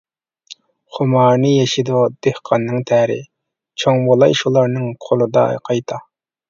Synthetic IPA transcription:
χʊmɑːɾnɨjɛʃid̪ud̪̥ehqʰɑnːɨŋt̪ʰæɾɪ̰ | t͡ʃʰoŋbolˠɑjʃulˠɑɾnɨŋqʰolˠɨd̪ɑ̰qʰɑjt̪ʰɑ

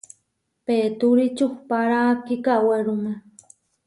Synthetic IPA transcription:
peːt̪uɾit͡ʃuhpaɾaːkikaweɾume

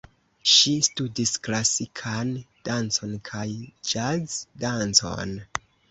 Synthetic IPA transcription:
ʃistudisklasikʰand̥ant͡so̞nkʰajd͡ʒaɡdant͡so̞̰n

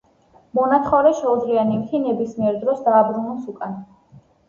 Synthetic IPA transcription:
mɔnat̪ʰχɔɾɛʃɛud̪zlianivt̪ʰinɛbismiɛɾd̪ɾɔsd̪aːbɾunɔsukʼan

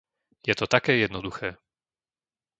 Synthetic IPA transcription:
jɛt̪ɔt̪akɛːjɛd̪nɔd̪uxɛː

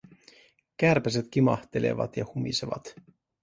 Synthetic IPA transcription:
kærpæs̬et̪k̟imɑ̰ht̪ele̞̰ʋɑ̰t̪jɑhumḭseʋɑ̰t̪

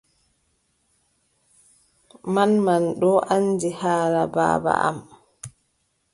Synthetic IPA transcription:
manmanɗɔʔand͡ʒihaːlaba̰ːba̰ʔa̰m

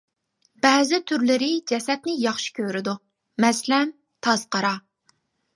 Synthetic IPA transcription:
b̥ɛːzɪt̪ʰyɾlɪɾɪd͡ʒɛsɛt̪̚nɪjɑχʃi̥kʲʰøɾɪd̪u | mɛslɛm | t̪ʰɑz̥qɑɾɑ

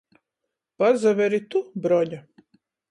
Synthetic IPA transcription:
pazaʋɛɾit̪ubɾɔʎa

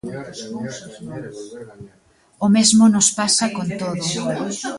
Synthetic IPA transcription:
ʊmezmʊnʊspasakont̪oðʊ

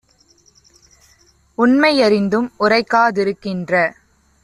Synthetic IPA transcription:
ʊɳmɐɪɐɾɪnd̪ɯmʊrɐɪkːaːðɪɾɯkːɪndrɐ

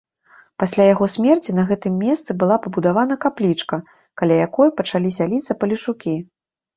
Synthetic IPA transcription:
pasʲlʲajaɣɔsʲmʲɛrt͡sʲinɐɣɛt̪ɨmʲːɛst̪sɨbɨlˠapɐbud̪avan̪ɐkaplʲit͡ʂkɐ | kalʲajakɔjpɐt͡ʂalʲizʲalʲit̪sːɐpɐlʲiʂukʲi

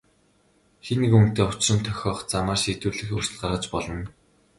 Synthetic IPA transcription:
xenikuŋ̥t̪eːʊ̥t͡ɕrə̆nt̪ʰːœxʲɔːχt͡samaːrʃiːt̪uːɮɘ̆xursɘ̆ɮɢarʁə̆t͡ɕpɔɮɞ̆n

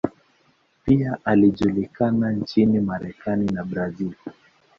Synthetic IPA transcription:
piaʔaliʄulikanant͡ʃinimaɾɛkaninabɾazil

